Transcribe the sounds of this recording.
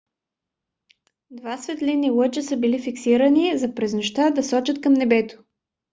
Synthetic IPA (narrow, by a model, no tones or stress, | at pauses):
d̪vasvɛt̪linilˠɤt͡ʃəsəbilifiksiɾənizɐpɾɛznoʃt̪ad̪ɐsɔt͡ʃət̪̚kɐmnɛbɛt̪o̥